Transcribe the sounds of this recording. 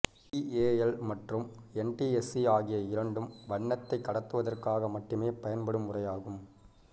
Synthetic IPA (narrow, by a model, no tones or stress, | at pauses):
ieːɛlmɐʈrɯmɛnʈiɛsiaːɣɪjɐɪɾɐɳɖɯmʋɐɳːɐt̪ːɐɪkːɐɽɐt̪ːɯʋɐðɐrkaːɣɐmɐʈrɯmeːpɐjɐnpɐɽɯmːʊrɐjaːɣɯm